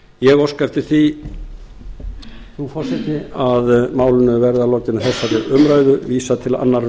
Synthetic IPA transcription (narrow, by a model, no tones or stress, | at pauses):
jɛɣɔɾ̥skaft̪ɪ̥θi | θufɔɾ̥sɛt̪ɪaðmaːwlʏnʏvɛɾðalɔɾc̪ɪnaθɛsːaɾɪʔʏmɾaːjðʏviːsat̪ʰɪla̰nːaɾ